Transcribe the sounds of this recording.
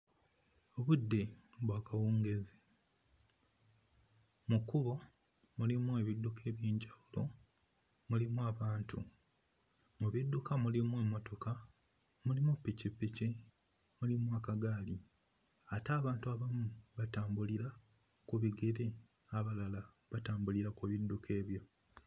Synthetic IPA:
o̞βudːe̞ | βwakawuːŋɡe̞zi | mukuβo̞ | mulimuweβidːukʰe̞ːβjiːɲɟawulo̞ | mulimuaβaːntʰu | muβidːukamulimwe̞ːmːo̞to̞ka | mulimupːicipːici | mulimwakaɡaːli | ataːβaːntuaβamuβataːmbuliɾa | kuβiɡeɾe̞ | aβalala | βataːmbuliɾakuβidːukʰe̞ːβjo̞

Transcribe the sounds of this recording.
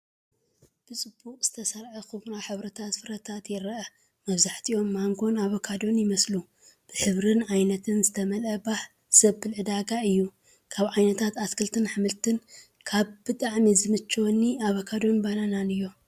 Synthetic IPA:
b̥ɨt͡sʼɨbukʼz̥ɨ̥t̪ʰɐsɐɾʕɐxɨβɾaħɨβɾɐt̪ʰat̪fɨɾɐt̪ʰat̪jɛɾɐʔɐ | mɐβzaħt̪ʰiʔo̞mːaŋɡo̞naβokʰad̪o̞njɪmɐslu | b̥ɨħɨβɾɨnʕajnɐt̪ʰɨnzɨt̪ʰɐmɐlɐbaħ | sɐβbɨlʕɨd̪aɡaɨjːu | kʰaβʕajnɐt̪ʰat̪askɨlt̪ʰɨnħɨmɨlt̪ʰɨn | kʰaβb̥ɨt̪ʼaʕmizɨmɨt͡ʃːonːiaβokʰad̪o̞nbalananɨjːo̞

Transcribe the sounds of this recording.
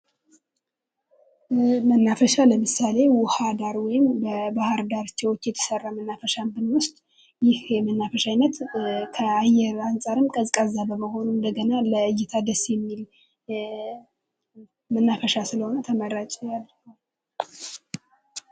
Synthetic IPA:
mənːafəʃaləmɨsale̞wʊhad̪aɾwɔjɪmbəbahɨɾd̪aɾt͡ʃːɛwɔt͡ʃːjɛt̪ʰə̥sərːamənːafəʃambɨnwʊst͡ʃ̪ʼ | jɪhjɛmənːafəʃajnːət̪kʰəajɛɾansʼaɾɨmkʼəzkʼəzːabəməɦo̞nund̪əɡənaləɨjːɪt̪ʰad̪əsjɛmːil | mənːafəʃasɨləho̞nət̪ʰəməɾat͡ʃʼɛjalː

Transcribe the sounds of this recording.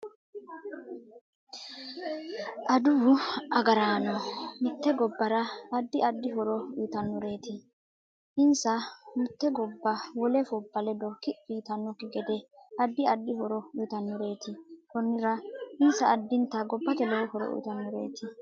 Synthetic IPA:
ʔɐd̪ʊʊɐɡɐɾaːnːɔmʊt̪ːɛɡɔbːɐɾɐːd̪ːɪɐd̪ːɪɦɔɾɔujːt̪ɐnːʊɾe̞ːt̪ɪ | ʔɪnsɐmʊt̪ːɛɡɔbːɐwɔlɛfɔbːɐlɛd̪ɔkɪfiːt̪ɐnːɔkɪɡɛd̪ɛɐd̪ːɪɐd̪ːɪhɔɾɔʊːt̪ɐnːʊɾe̞ːt̪ɪkɔnːɪɾɐɪnsɐʔːd̪ːɪnt̪ːɐɡɔbːɐt̪ɛlɔwɔhɔɾɔ̰ʔṵjːt̪ɐnːɔɾe̞ːt̪ɪ

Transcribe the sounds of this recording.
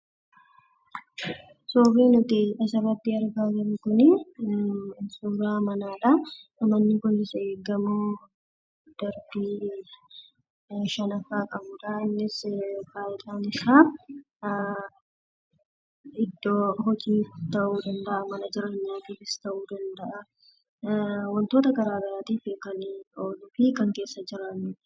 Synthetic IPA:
soːbeːnʊt̪ɪʔɐsɐbɐbːiːɐɾɡaːd͡ʒɐɾɪkʊnɪ | suːɾaːmɐnaːᶑɐ | ɐmɐnːɪkʊnːɪseːɡːɐmu | d̪̥ɐɾbiː | ʃɐnɐfaːkʼɐbʊᶑɐɪnːɪskaːjɪᶑ̪ʼaːnɪsaː | ɪd̪ːoːɦɔd͡ʒiːt̪ɐʔuːd̪ɐnd̪ɐʔɐmɐnɐd͡ʒɪɾɐɲːaːt̪iːfɪst̪ɐʔuːd̪ɐnd̪ɐʔɐ | wɔnt̪o̞ːt̪ɐɡɐɾaːɡɐɾaːt̪iːfɪkɐnoːlʊfɪkɐŋke̞ːsːɐd͡ʒɪɾanɪᶑ

